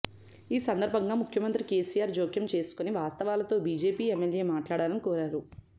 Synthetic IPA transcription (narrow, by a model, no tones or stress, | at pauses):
iːsɐnd̪ɐɾbʱɐŋɡaːmukʰjɐmɐnt̪ɾike̞ːsijaːɾd͡ʒoːkjɐmt͡ʃe̞ːsu̥koniʋaːst̪ɐʋaːlɐt̪o̞ːbiːd͡ʒe̞ːpiːemːelje̞ːmaːʈlaːɽaːlɐnikɔːɾaːɾu